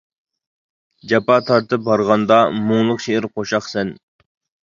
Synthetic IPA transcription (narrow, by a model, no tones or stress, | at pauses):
d͡ʒɛpɑt̪ʰɑɾt̪ʰɨp̚bɑɾʁɑnd̪ɑmoŋlˠʊqʃeɪɾqʰoʃɑχsɛn